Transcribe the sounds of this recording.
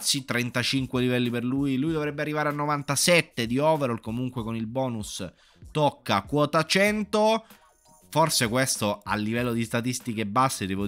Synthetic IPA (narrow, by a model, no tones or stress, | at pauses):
sit̪ːɾɛnt̪at͡ʃiŋkwelivɛlːiperlujlujd̪ovɾɛbːearːivaːɾeanːovant̪asɛt̪ːed̪iɔːveɾolkomuŋkwekonilbɔːnus | t̪okːakwɔːt̪at͡ʃɛnt̪o | forsekwest̪oa̰lːivɛlːod̪ist̪at̪ist̪ikebːasːed̪ɛːvo